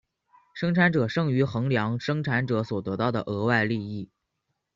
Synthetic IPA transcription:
ʂɤ˥ŋʈ͡ʂʰa˧˥nʈ͡ʂɤ˨˩ʂɤ˥˩ŋy˧˥xɤ˧˥ŋljɑ˧˥ŋʂɤ˥ŋʈ͡ʂʰa˧˥nʈ͡ʂɤ˧˥swɔ˨˩t̪ɤ˧˥t̪ɑ˥˩ʊd̪ə̰˩ʔɤ˧˥wa˥˧ɪli˥˧i˥˩

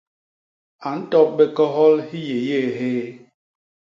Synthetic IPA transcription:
a˨n̩˦tɔ˦p̚be˨kɔ˦ɦɔ˦lhi˦je˨je˦˨ɦeː˦

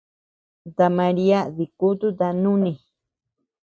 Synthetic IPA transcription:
t̪a˨ma˧ɾi˦a˦ði˨ku˦t̪u˦t̪a˧nũ˦nĩ˨

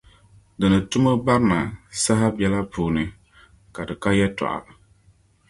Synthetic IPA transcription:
dɨ˨nɨ˨tʊ˦mɨ˦ba˦ɾɨ˦na˨sa˦ɦa˦bɛ˦la˦puː˨nɨ˨ | ka˨dɨ˨ka˦jɛ˦tɔ̰˨ʔa̰˨bɨ˨

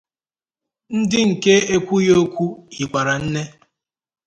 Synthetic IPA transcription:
n̩˦dɪ˦ŋ̩˨ke˦e˦kʷu˦jo˦kʷu˦hi˨kʷa˨ɾa˨n̩˦ne˦

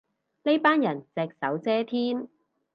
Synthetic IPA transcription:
ne˥jpaː˥njɐ˨˩nt͡sɛː˨k̚sɐ˨˥wt͡sɛː˥t̪ʰiː˥n

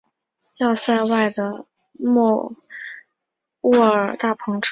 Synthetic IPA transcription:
jɑ˥˧sa˥˧ɪwa˥˩ɪd̪ə˩ | mɔ˥˧ | wɔ˥˩ə˞˨˩t̪a˥˩pʰɤ˧˥ŋʈ͡ʂʰ

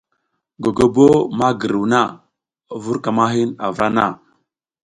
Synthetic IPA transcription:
ɡo˨ɡo˨bo˦ma˦ɡə˨ɾu˨na˦˨ | vu˦ɾka˨ma˦ɦi˦na̰˨vɾa˦na̰˦˨

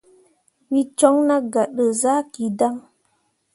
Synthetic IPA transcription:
wi˦t͡ʃɔ˦ŋna˦ɡa˨ɗə˨za˦ki˨da˦ŋ

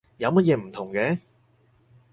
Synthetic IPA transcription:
jɐ˨˧wmɐ˥t̚jɛː˨˧m̩˨˩t̪ʰʊ˨˩ŋkɛː˨˦

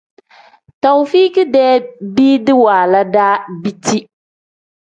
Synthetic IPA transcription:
ta˨wfi˦kɨ˦dɛː˦bi˦dɨ˦waː˨la˦daː˦bi˦ti˦

